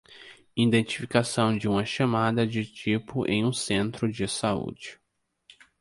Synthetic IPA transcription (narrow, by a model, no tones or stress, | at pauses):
id̪ẽnt͡ʃifikasɐ̃w̃d͡ʒɪũmɐʃamad̪ɐd͡ʒɪt͡ʃipʊʔḛ̃j̃ũsẽnt̪ɾʊd͡ʒɪsaṵd͡ʒɪ